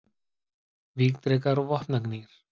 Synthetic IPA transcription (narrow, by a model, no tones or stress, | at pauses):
viːkt̪ɾɛkaɾɔvɔhpnakniːɾ̥